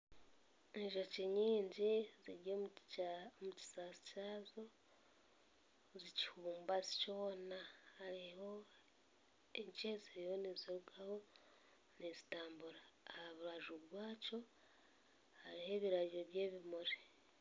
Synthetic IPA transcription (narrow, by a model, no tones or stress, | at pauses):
eʒoceɲiːɲɟiziɾɟomuomuci̥saːsi̥caːzo̞ | zici̥huːmbazico̞ːnahaɾiho̞ | eɲt͡ʃeziɾihoneziɾuɡaho̞ | nezitaːmbuɾaːhaβuɾaʒuβwaːco̞ | haɾihe̞ːβiɾaɟiɾoβjeːβimuɾe